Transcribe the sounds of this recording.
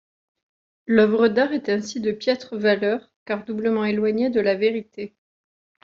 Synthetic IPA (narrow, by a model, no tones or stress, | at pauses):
lœvʁəd̪aʁɛt̪ɛ̃sid̪əpjɛt̪χəvalœʁ | kaʁd̪ubləmɑ̃elwaɲed̪əlaveʁit̪e